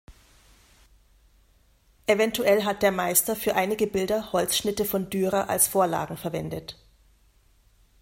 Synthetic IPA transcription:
ʔevɛntuɛlɦat̚d̥eːɐmaɪstɐfyːɐʔaɪnɪɡəbɪldɐhɔlsʃnɪtəfɔndyːʁɐʔa̰lsfoːɐla̰ːɡŋ̩fɛɐvɛndət

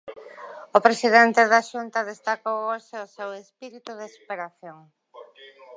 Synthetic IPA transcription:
ʊpɾesiðent̪eðaʃunt̪ɐðest̪akowoʃeʊsewespiɾit̪uðesu̥peɾaθjoŋ

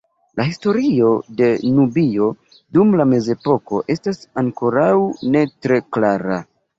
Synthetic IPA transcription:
lahisto̞ɾio̞de̞nubio̞ | dumlame̞ze̞po̞ko̞ʔe̞stasaŋko̞ɾawne̞tɾe̞klaɾa

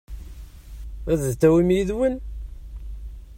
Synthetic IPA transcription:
æððt͡s̪ːæwimjiðwən

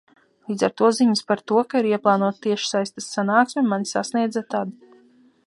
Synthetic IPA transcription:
lˠiːd̪za̰ɾt̪uɔziɲɨspaɾt̪uɔkaiɾiɛplˠɑːnuɔt̪t̪ːiɛʃsajst̪asːanaːksʲmʲemanisa̰sniɛd̪zat̪ad̪

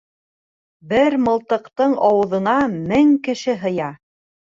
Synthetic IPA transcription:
bɘɾmɤ̆lˠt̪ɤ̆qt̪ɤɴɑwɤ̆ðɤ̆nɑmɘŋkɘ̆ʃɘɦɤ̆jɑ

